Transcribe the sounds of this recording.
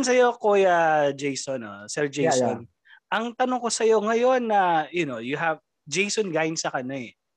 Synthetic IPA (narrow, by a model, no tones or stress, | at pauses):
ns̬ɐjo̞kojɐd͡ʒejsono̰sɛɹd͡ʒejson | ʔɐŋt̪ɐnoŋkosɐjo̞ŋɐjo̞nːɐjʊno̞jʊɦɐv | d͡ʒejsonɡaːjɪnsɐkɐnaɛ